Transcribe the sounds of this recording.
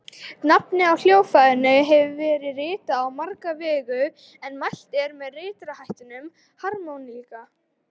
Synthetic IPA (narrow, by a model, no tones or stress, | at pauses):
tnapnɪawl̥joːwfajðɪnʏɦɛvʏvɛːɾɪrɪːt̪aːwmaɾkavɛːɣʏ | ɛnmajl̥t̪ɛɾmɛðrɪːt̪ɾahajht̪ʏnʏm | haɾmonlika